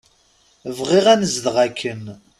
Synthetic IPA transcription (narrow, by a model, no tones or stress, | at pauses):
vʁiʁænəzðʁækʰːən